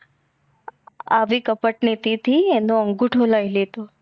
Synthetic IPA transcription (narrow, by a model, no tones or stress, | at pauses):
aʋikəpəʈnit̪it̪ʰienoəŋɡũʈʰolajlet̪o